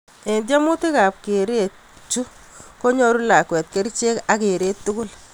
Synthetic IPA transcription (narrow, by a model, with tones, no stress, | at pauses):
e˨nd̬ja˦mʊ˦tɪ˦kaː˨p̚ke˨ɾe˦˨ | t͡ʃu˦ | ko˦ɲo˦ɾu˦la˨kwɛ˨t̚ke˦ɾt͡ʃe˦ka˨ke˨ɾe˦tːʊ˦kʊ˦l